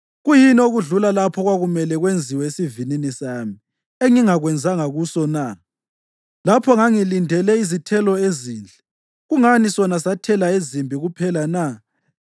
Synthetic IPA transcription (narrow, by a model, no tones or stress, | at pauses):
ɣujinoɣuɮulalapʰɔɣwaɣumɛlɛɣwend͡zʱiwɛesivininisaːmi | eŋiŋaɣwɛnd͡zʱaŋaɣusɔna | lapʰɔŋaŋilindʱɛlɛizitʰɛlɔeziːnd͡ɮʱɛ | ɣuŋanisɔnasatʰɛlaezimbʱiɣupʰɛlana